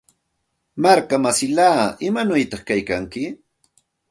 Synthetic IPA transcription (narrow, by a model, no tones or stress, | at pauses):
maɾkamasɪlaːɪmanʊjt̪ɑχkajkaŋkɪ